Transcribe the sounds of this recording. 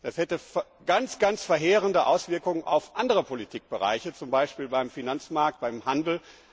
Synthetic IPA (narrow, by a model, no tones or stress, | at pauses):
d̥ashɛtəf | ɡ̥ant͡sɡ̥ant͡sfɛɐɦeːʁəndəʔaʊsv̥ɪɐkʊŋənʔa̰ʊfʔandəʁəpʰolitʰiːk̚b̥əʁa̰ɪçət͡sʊmbaɪʃpiːlbaɪmfinant͡smaɐk̚t̚b̥aɪmhandl̩